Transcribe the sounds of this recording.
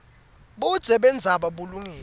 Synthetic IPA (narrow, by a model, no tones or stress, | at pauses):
ɓud̥z̥ʱɛɓɛnd͡zʱaɓaɓuluŋiː